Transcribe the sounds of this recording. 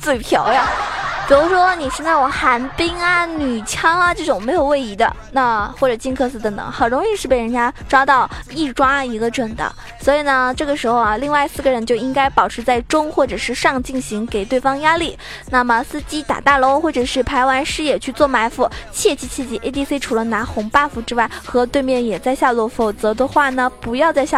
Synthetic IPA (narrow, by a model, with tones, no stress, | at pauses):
t͡swe˥˩ɪpʰjɑ˧˥ʊja˥˧˩pi˨˩ɻu˧˥ʂwɔ˥ni˨˩ʂə˥nt͡sa˥˩ɪwɔ˨˩xa˧˥npi˥ŋɐ˨˧ny˨˩t͡ɕʰjɑ˥ŋɐ˧t͡ɕo˥˧˩ʈ͡ʂʊ˨˩ŋme˧˥ɪjo˨˩ʊwe˥˩ɪi˧˥d̪ə̰˧ | na˥˩xwɔ˥˩ʈ͡ʂɤ˨˩t͡ɕi˥˧ŋkʰɤ˥˧sɹ̩˥˩t̪ə˧˥ŋt̪ɤ̰˨˩˦ŋxə˨˩nɻʊ˧˥ŋi˧ʂɻ̩˥˩pe˥˩ɪɻə˧˥nt͡ɕja˥ʈ͡ʂɑ˥ʊt̪ɑ˥˧ʊi˥˩ʈ͡ʂwa˥i˧˥ɡə˧ʈ͡ʂwə˨˩nd̪ə̰˦˩ | swɔ˧˥i˨˩nə˦ʈ͡ʂɤ˥˩ɡə˩ʂɻ̩˧˥xo˧ʊa˩li˥˧ŋwa˥˧ɪi˧˥sɹ̩˥˩ɡə˩ɻə˧˥nt͡ɕjo˥˧ʊi˥ŋka˥ɪpɑ˨˩ʊʈ͡ʂ̩ʰ˧˥t͡sa˥˩ɪʈ͡ʂʊ˥ŋxwɔ˥˩ʈ͡ʂɤ˨˩ʂɻ̩˥˧ʂɑ˥˧ŋt͡ɕi˥˩ŋɕi˧˥ŋke˨˩ɪt̪we˥˩ɪfɑ˥ŋja˥li˥˩ | na˥˩mə˩s̩˥t͡ɕi˥t̪a̰˨˩t̪a˥˩lo˧˥ʊxwɔ˥˩ʈ͡ʂɤ˨˩ʂɻ̩˥˩pʰa˧˥ɪwa˧˥nʂɻ̩˥jɛ˨˩t͡ɕʰy˥˧t͡swɔ˥˩ma˧˥ɪfu˧˥˩t͡ɕʰjɛ˥˧t͡ɕʰi˧˥˩t͡ɕʰjɛ˥˩t͡ɕʰi˥˩ʔe˥ɪt̪i˥se˥ʈ͡ʂʰu˨˩lə˧˦na˧˥xʊ˧˥ŋpa˥˧fu˧˥ʈ͡ʂɻ̩˥wa˥˩ɪxɤ˧˥t̪we˥˧ɪmjɛ˥˩njɛ˨˩t͡sa˥˧ɪɕja˥˧lɔ˥˩fo˨˩ʊt͡sɤ˧˥d̪ə˧xwa˥˩nə˩pu˧˥jɑ˥˧ʊt͡sa˥˧ɪɕ